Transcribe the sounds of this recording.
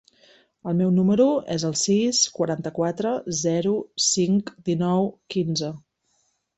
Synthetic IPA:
əlˠmɛwnuməɾuɛzəlˠsiskwəɾant̪əkwat̪ɾəzɛɾusiŋkd̪inɔwkinzə

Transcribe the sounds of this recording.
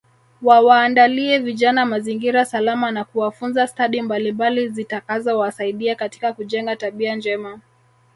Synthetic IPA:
wawaːndaliɛviʄanamaziŋɡiɾasalamanakuwafunzastaɗimbalimbalizitakazɔwasaiɗiakati̥kakuʄɛŋɡataɓiand͡ʒɛma

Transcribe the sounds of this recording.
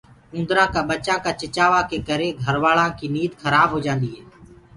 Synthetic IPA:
ũːnd̪ɾãːkãːɓət͡ʃãːkaːt͡ʃɪt͡ʃaːʋaːkeːkəɾeːɡʱəɾʋaːɭãːkiːniːd̪xəɾaːbɦoːd͡ʒãːnd̪iːɦeː

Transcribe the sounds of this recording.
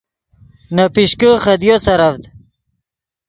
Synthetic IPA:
nɐpiɕkəχɐd̪josɐɾɐvd̪

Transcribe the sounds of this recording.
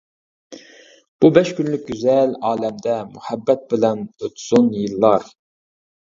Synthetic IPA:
b̥ubɛʃkʲynlyk̚ʲɡʲyzɛlɑːlɛmd̪ɛmuhɛbːɛt̪̚bɪlɛnøt̪ʰsunjɨlˠːɑɾ

